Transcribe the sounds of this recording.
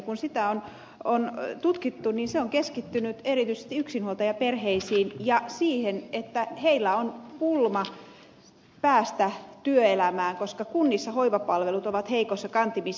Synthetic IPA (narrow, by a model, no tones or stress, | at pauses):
kunsit̪æon | ont̪ut̪kit̪ːuninseoŋkeskit̪ːynyt̪erit̪yisest̪iyksinhuolt̪ɑjɑperɦeisiːnjɑsiːhenet̪ːæheilːæonpulmɑ | pæːst̪æt̪yøelæmæːŋkoskɑkunːisːɑhoiʋɑpɑlʋelut̪oʋɑt̪heikosːɑkɑnt̪imis